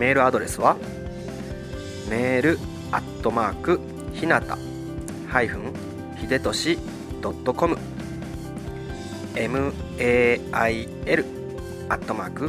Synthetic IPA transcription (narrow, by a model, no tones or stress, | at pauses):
me̞ːɾɯ̟ad̪o̞ɾe̞sɨβa | me̞ːɾɯ̟ | a̰t̪ːo̞maːkɯ̟ | çinat̪a̰ | haiɸɯ̟̃ŋ | çid̪e̞t̪o̞ɕi | d̪̥o̞t̪ːo̞ko̞mɯ̟ | e̞mɯ̟ | eːai | e̞ɾɯ̟ | at̪ːo̞maːkɯ̟